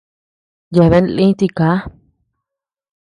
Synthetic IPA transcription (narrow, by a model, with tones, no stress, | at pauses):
je˧˨βe˧˦nlĩ˦t̪i˧ka˨˦